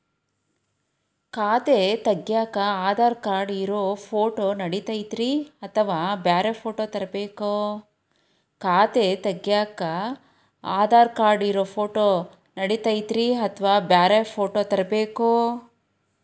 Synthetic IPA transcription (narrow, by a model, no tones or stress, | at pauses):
kaːt̪et̪ɐɡjaːkɐaːd̪aːɾkaːɾɖiɾoːpʰoːʈoːnɐɽit̪ɐjd̪ɾiɐt̪ʰɐʋaːbjaːɾepʰoːʈoːt̪ɐɾɐbeːku | kaːt̪et̪ɐɡjaːkɐ | aːd̪aːɾkaːɾɖiɾoːpʰoːʈoː | nɐɽit̪ɐjt̪ɾiɐt̪ʰɐʋaːbjaːɾepʰoːʈoːt̪ɐɾɐbeːku